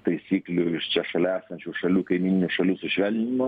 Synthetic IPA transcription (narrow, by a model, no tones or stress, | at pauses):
t̪ɐɪsʲiːklʲʊɪʃt͡ʃʲɛʃɐlʲæːsɐnʲt͡ʃʲuːʃɐlʲuːkɐɪmʲiːnʲɪnʲʊʃɐlʲuːsʊʃʲʋʲɛlʲnʲnʲɪmo